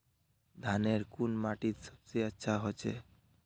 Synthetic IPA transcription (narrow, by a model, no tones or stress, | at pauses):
d̪ʱaneɾkunmaʈit̪səbseətːʃʰaɦot͡ʃʰḛ